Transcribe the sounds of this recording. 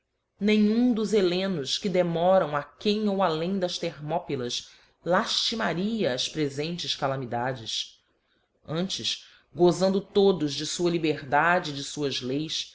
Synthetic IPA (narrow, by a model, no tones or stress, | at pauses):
nẽj̃ũd̪ʊzelẽnʊʃkɪd̪emɔɾɐ̃w̃akẽj̃owalẽj̃d̪ɐʃt̪eɾmɔpilɐʃ | laʃt͡ʃimaɾiɐːspɾezẽnt͡ʃɪskalamid̪ad͡ʒɪs | ɐ̃nt͡ʃɪʃ | ɡozɐ̃nd̪ʊt̪od̪ʊzd͡ʒɪsuɐlibeɾd̪ad͡ʒɪːd͡ʒɪsuɐzlejs